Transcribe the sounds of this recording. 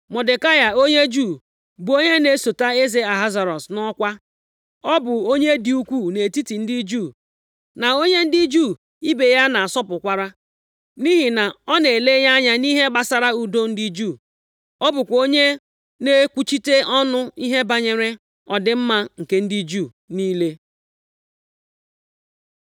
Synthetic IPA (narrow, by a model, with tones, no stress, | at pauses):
mɔ˨dɪ˨ka˦ja˨o˦ɲe˦d͡ʒu˦˨ | bu˨o˦ɲe˦ne˦so˨ta˦e˦ze˨a˨ɦa˦za˨ɾɔ˨snɔ˦kʷa˦ | ɔ˦bʊ˨o˦ɲe˦dɪ˨u˦kʷu˦˨ne˨ti˦ti˨n̩˦di˦d͡ʒuː˦˨ | na˨o˦ɲe˦n̩˦di˦d͡ʒu˦˨ | i˦be˨ja˦na˨a˨sɔ˦pʊ˨kʷa˦ɾa˦ | ni˦ɦi˨na˨ɔ˦ne˨le˦ja˦ɲa˦ni˦ɦe˦ba˦sa˨ɾa˦u˨do˦n̩˦di˦d͡ʒuː˦˨ | ɔ˦bʊ˨kʷo˦ɲe˦ | ne˦kʷu˦t͡ʃi˦te˦ɔ˦nʊ˦i˦ɦe˦ba˦ɲe˨ɾe˦ | ɔ˨dɪ˨m̩˦ma˦ŋ̩˨ke˦n̩˦di˦d͡ʒuː˦˨ | niː˦le˦